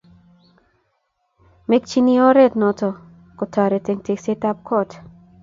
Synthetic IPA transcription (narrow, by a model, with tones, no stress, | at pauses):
me˦k̚t͡ʃi˦ni˦ɔ˦ɾɛ˦tnɔ˨tɔ˨ | kɔ˨tʰa˨ɾe˨te˨ŋte˨kse˦ta˦p̚kɔ˦t